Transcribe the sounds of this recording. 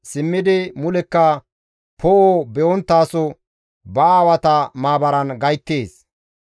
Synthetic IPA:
sɪmːɪd̪ɪmʊlɛkːɐ | pʰɔʔobɛʔɔnt̪ːaːsɔ | bɐaːwɐt̪ɐmaːbɐɾɐnɡɐjt̪ːeːs

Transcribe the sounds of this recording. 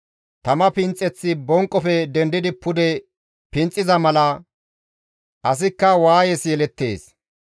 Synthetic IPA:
t̪ɐmɐpɪnt͡sʼːɛt͡sːɪbɔŋkʼːɔfɛd̪ɛnd̪ɪd̪ɪpʊd̪ɛ | pɪnt͡sʼːɪzɐmɐlɐ | ʔɐs̬ɪkːɐwaːjɛsjɛlɛt̪ːḛːs

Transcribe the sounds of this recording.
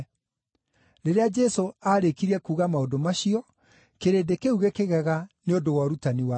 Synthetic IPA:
ɾeɾead͡ʒɛsoaɾekiɾiɛkuːɣamaodomaɕiɔ | keɾedekeuɣekeɣɛɣaneondowaɾutaniwa

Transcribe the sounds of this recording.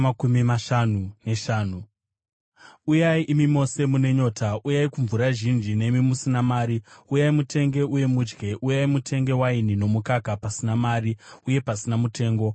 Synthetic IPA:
akumimaʃanune̞ʃaːnu | ujaiʔimimo̞se̞mune̞ɲo̞ːtʰaujaikuɱvuɾaʒind͡ʒine̞imimusinamaːɾiujaimute̞ŋɡe̞uje̞mud͡ʒɡe̞ʔujaimutʰe̞ŋɡe̞wainino̞mukakapasinamaːriuje̞pasinamute̞ːŋɡo̞

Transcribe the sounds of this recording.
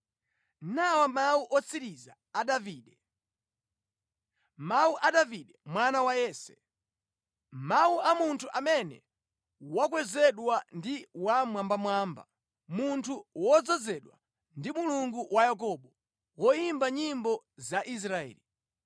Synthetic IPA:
nawamawuʔɔt͡siɾizaːɗaviːɗɛ | mauʔaɗaviɗɛmwanawajɛːsɛ̥ | mauamuntʰuʔamɛnɛ̰ | wak̬wɛzɛɗwandiwamwambamwaːmba̰ | muntʰuwɔd͡zɔzɛɗwa̰ | ndimuluŋɡuwʔajak̬ɔɓɔ | wɔimbaɲimbɔ | zaʔis̬ɾaɛ̰ːli

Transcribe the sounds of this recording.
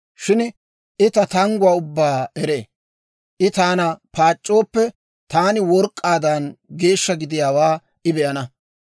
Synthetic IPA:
ʃɪn | ʔɪt̪ɐt̪ɐŋɡʊwaːʊbːaːɛɾeː | ʔɪt̪aːnɐpaːt͡ʃʼːo̞ːpːɛ | t̪aːnɪwɔɾkʼːaːd̪ɐnɡe̞ːʃːɐɡɪd̪ɪjaːwaː | ʔɪbɛʔɐnɐ

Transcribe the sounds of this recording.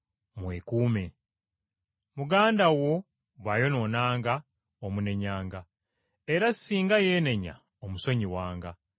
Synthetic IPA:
mwekuːme̞ | muɡaːndawo̞ | βajo̞no̞naːŋɡa | omune̞ɲaːŋɡa | eɾassiːŋɡaje̞ːne̞ɲa̰ | omuso̞ɲiwaːŋɡa

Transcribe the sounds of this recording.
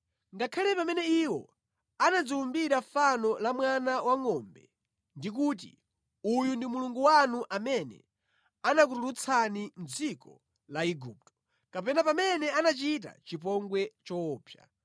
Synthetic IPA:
ŋɡakʰalɛpamɛnɛiwɔ̰ | anad͡ziumbiɾafanɔlamwanawaŋɔmbɛ | ndikuːt̬ḭ | ujundimuluŋɡuwanuʔamɛnɛ̰ | anak̬uɾuɾut͡sʰanin̩d͡zikɔ | laiɡup̚tɔ̥ | kapɛnapamɛnɛanat͡ʃit̬a̰t͡ʃip̬ɔŋɡwɛt͡ʃɔːpja̰

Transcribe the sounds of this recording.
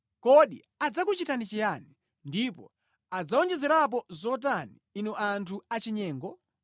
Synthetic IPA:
kɔɗḭ | ad͡zakut͡ʃitanit͡ʃijani | ndipɔ̰ | ad͡zaɔnd͡ʒɛzɛɾap̬ɔzɔt̬aniːnɔʔantʰuat͡ʃiɲɛːŋɡɔ

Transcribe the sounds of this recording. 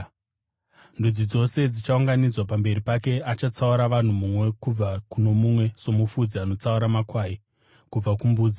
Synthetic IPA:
ndud͡zid͡zo̞se̞d͡zit͡ʃauŋɡanid͡zwapambe̞ɾipake̞at͡ʃat͡sauɾaʋan̤umumwe̞kub͡vakuno̞mumwe̞so̞mufud͡zianot͡sauɾamakwaːi | kub͡vakumbuːd͡zi

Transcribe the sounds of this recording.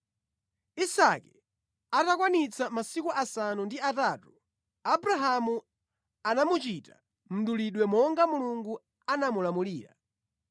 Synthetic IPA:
isakɛ | atakwanit͡sʰamasikuʔasanundiataːtu | abɾaɦamu | anamut͡ʃitḁ | m̩ɗuliɗwɛmɔŋɡamuluŋɡu | anamulamuliːɾa̰

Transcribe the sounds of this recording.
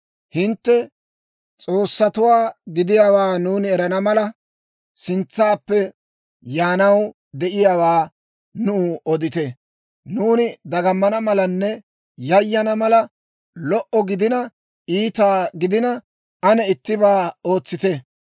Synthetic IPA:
hɪnt̪ːɛ | t͡sʼo̞ːsːɐt̪ʊwaːɡɪd̪ɪjaːwaːnuːnɪɛɾɐnɐmɐlɐ | sɪnt͡sːaːpːɛ | jaːnɐw | d̪ɛʔɪjawaː | nʊɔd̪ɪt̪ɛ | nuːnɪd̪ɐɡɐmːɐnɐmɐlɐnːɛ | jɐjːɐnɐmɐlɐ | lɔʔɔɡɪd̪ɪnɐ | iːt̪aːɡɪd̪ɪnɐ | ɐnɛɪt̪ːɪbaːoːt͡sːɪt̪ɛ

